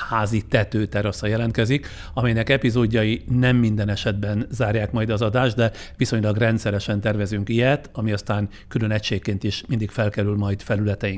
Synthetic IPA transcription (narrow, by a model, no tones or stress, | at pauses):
haːzit̪ɛt̪øːt̪ɛɾɒsɒjɛlɛnt̪kɛzik | ɒmɛjnɛkɛpizoːɟːɒjinɛmːind̪ɛnɛʃɛd̪bɛnzaːrjaːkmɒjd̪ɒzɒd̪aːʒd̪d̪ɛ | ʋiso̞ɲlɒɡrɛnt̪sɛɾɛʃɛnt̪ɛrvɛzyŋkijɛt̪ɒmiɒst̪aːŋ | kylø̞nɛcʃeːkːeːnt̪iʃmind̪ikfɛlkɛɾylmɒjt̪fɛlylɛt̪ɛjiŋ